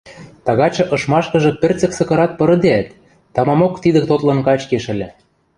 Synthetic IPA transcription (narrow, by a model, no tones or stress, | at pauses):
t̪ɑɣɑt͡ɕɤ̆ʔɤ̆ʃmɑʃkɤ̆ʒɤ̆pʲĕrt͡sə̆ksɤ̆kɤ̆ɾɑt̪̚pɤ̆ɾɤ̆d̪eæt̪ː | ɑmɑmokt̪id̪ə̆k̚t̪ot̪lɤ̆nkɑt͡ɕkeʃɘ̆lʲɘ̆